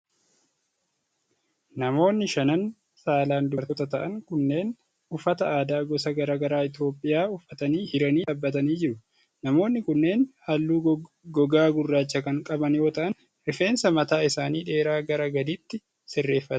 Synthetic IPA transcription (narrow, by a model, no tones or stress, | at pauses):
nɐmo̞ːnːɪʃɐnɐn | saːlaːnd̪ʊɐɾt̪ɔt̪ɐt̪ɐʔɐŋkʊnːe̞ːn | ʊfɐt̪ɐaːd̪aːɡɔsɐɡɐɾaːɡɐɾaːɪt̪jo̞ːpʼːɪjaːʊfːɐt̪ɐniːhɪɾɐniːᶑɐbːɐt̪ɐniːd͡ʒɪɾʊ | nɐmo̞ːnːɪkʊnːe̞ːnhɐlːuː | ɡɔɡaːɡʊrːaːt͡ʃːɐkɐŋkʼɐbɐnjo̞ːt̪ɐʔɐn | ʔɪfe̞ːnsɐmɐt̪aːɪsaːniːᶑe̞ːɾaːɡɐɾɐɡɐd̪iːt̪ːɪ | sɪrːe̞ːfːɐt̪